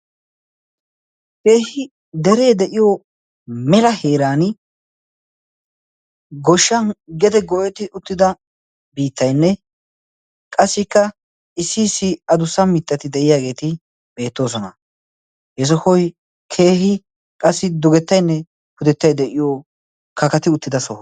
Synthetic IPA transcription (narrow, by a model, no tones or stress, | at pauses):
ke̞ːhɪ | d̪ɛɾe̞ːd̪ɛʔɪjo | mɛlɐhe̞ːɾaːn | ɡɔʃːɐnɡɛd̪ɛɡɔʔɛt̪ɪʔʊt̪ːɪd̪ɐ | biːt̪ːɐjnːɛ | kʼɐsːɪkːɐ | ɪsːiːsːɪɐd̪ʊsɐmɪt̪ʼːɐt̪ɪd̪ɛʔɪjaːɡe̞ːt̪ɪ | be̞ːt̪ːo̞ːs̬ɔnɐ | hɛs̬ɔhɔj | kʰe̞ːɦɪ | kʼɐsːɪd̪ʊɡɛt̪ːɐjnːɛ | pʊd̪ɛt̪ːɐjd̪ɛʔɪjo | kɐkɐt̪ɪʊt̪ːɪd̪ɐsɔh